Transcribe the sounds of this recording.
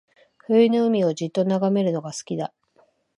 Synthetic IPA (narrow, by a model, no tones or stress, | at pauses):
ɸɯ̟inoɯ̟mʲio̞d͡ʑit̪ːo̞naɡame̞ɾɯ̟no̞ɡasɨ̥kʲid̪a